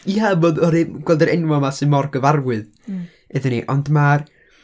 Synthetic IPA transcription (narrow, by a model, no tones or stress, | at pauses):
iaboːdɔɾiɡ̥wɛlˠdəɾɛnwɔmasɨnmɔrɡəvarwɨð | eðɨniʔɔndmar